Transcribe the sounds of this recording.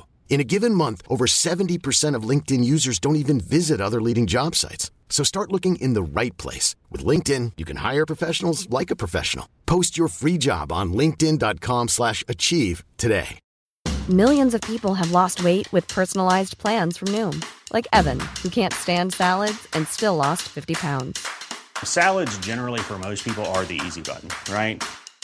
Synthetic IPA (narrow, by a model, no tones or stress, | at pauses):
ɨ̃ñɨɡɪvɨ̃nmʌ̃nθʔoʊvə˞sɛṽn̩tipʰə˞sɛ̃ɾ̃ʌvlɪ̃ŋk̚tɨ̃njʉzə˞zdõʊ̃ntivɨ̃nvɪzɨɾʌðə˞liɾɪ̃ŋd͡ʒɑb̥sa̰ɪts | soʊstɑɹʔˡlʊkɪ̃ŋʔɪ̃nðəɹa̰ɪt̚pʰl̥ḛɪswɨ̰ðlɪ̃ŋk̚tɪ̃njɨkʰɨ̃nha̰ɪə˞pʰɹ̥əfɛʃn̩l̩ˠzlaɪkəpʰɹ̥əfɛ̰ʃn̩l̩ˠpʰoʊst͡ʃə˞fɹid͡ʒɑ̰b̃n̩lɪ̃ŋk̚tɪ̃ndɑt̚kʰɑ̃mslæʃɨt͡ʃʰiv̥tʰɨdḛɪ | mɪlˠjɨ̃nzʌv̥pʰipl̩ˠəvlɔst̚weɪʔ̚wɨð̥pʰɜ˞sn̩laɪzpʰl̥æ̃nz̥fɹʌ̃mnũmlʔaɪkɛvɨ̃nhʉkʰæ̃ntstæ̃nd̥sælˠədz̥ɨ̃nstɪlɔstfɪftipʰãʊ̃ndz̥sælˠədzd͡ʒɛnə˞l̩ˠifə˞moʊspʰipl̩ˠə˞ðiḭzibʌ̰ʔn̩ɹaɪt̚